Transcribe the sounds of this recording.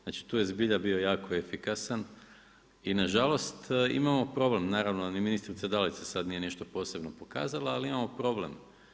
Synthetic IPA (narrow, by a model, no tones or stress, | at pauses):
znat͡ʃi̥t̪uːje̞zbiʎabiojaːkoefikasan | inaʒalo̞st̪ḭmamo̞pɾo̞ble̞mnaːɾaʋnoniminist̪ɾit̪sad̪alit̪sasad̪nije̞niʃt̪opo̞ːse̞bno̞po̞ka̰ːzalˠaːliimamo̞pɾo̞ble̞̰m